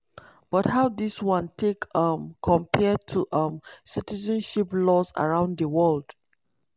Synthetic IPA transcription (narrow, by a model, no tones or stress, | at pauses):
b̥ɔthaʊdiswɔ̃ntʰekʌmkʰɔ̃mpʰɛtʰuʔʌ̃msitizə̃nʃiplɔsa̰ɹãʊ̃ndəwɔld̥